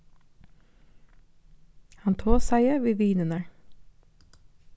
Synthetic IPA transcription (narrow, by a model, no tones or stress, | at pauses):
hɑnt̪ʰoːsæɪəʋeːʋiːnənə